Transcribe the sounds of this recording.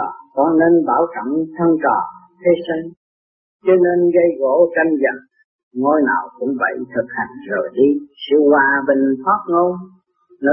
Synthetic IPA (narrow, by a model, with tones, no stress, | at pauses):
kɔ˧˦ne˧nɓaː˧˩wt͡ɕə̰˧˩ŋt̪ʰə˧ŋt͡ɕɔ˨˩ | t̪ʰe˧si˧ŋ | t͡ɕɔ˧ne˧nɣə˧jɣo˧˥˦t͡ɕə˧ŋzə̰˧˩ŋ | ŋo˧jna̰ː˨˩wkʊ̰˧˥ŋ͡mvə̰˧˩jt̪ʰɨ˨˩k̚ha˨˩ŋ̟zo˨˩jɗi˧si˧wwaː˧ɓə˧˩ŋt̪ʰaː˦˥p̚ŋo˧j | nɔ˨˧˦